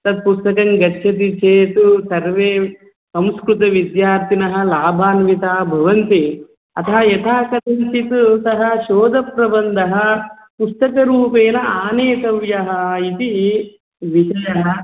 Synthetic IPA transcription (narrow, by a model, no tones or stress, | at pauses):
t̪ɐd̪̚pust̪ɐkɐŋɡɐːʃʰɐt̪̬it͡ʃeːt̪usɐɾʋeː | sɐmskɾut̪ɐʋid̪jaːɾt̪ʰinɐɦɐ̆laːbʱaːnʋit̪aːbʱɐʋɐnt̪i | ɐt̪ʰɐɦɐjɐt̪ʰaːkɐt̪ɐnsit̪usɐɦɐʃoːd̪ʱɐpɾɐbɐnd̪ʱɐɦɐ | pust̪ɐkɐɾuːpeːnɐaːneːt̪ɐʋjɐɦɐit̪i | ʋiʃɐjɐɦɐ